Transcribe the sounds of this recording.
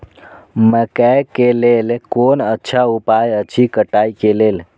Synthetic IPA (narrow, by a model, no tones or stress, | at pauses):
məkɛkelelkonətːʃʰaupajət͡ʃʰikəʈajkelel